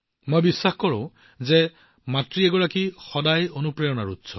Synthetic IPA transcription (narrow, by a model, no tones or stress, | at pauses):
mojbisːaxkɔɹʊ̰̃ | zɛ | matɹiɛɡɔɹakixɔdajonupɹɛjɔnaɹutsʰɔ̰